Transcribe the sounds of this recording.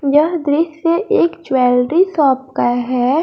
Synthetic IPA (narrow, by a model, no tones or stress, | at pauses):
jəɦd̪ɾɪsjəʔeːkt͡ʃwɛːlɖɾisɔːp̚kaɦɛː